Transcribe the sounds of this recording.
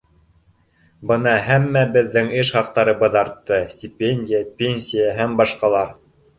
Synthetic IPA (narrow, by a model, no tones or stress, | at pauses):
bɤnɑɦæmːæbɘ̆ðːɘŋɘʃhɑq̚t̪ɑɾɤ̆bɤðɑɾt̪ːɤsʲtʲipʲenʲdʲɪjapʲenʲsʲijaɦæmbɑʃqɑlˠɑɾ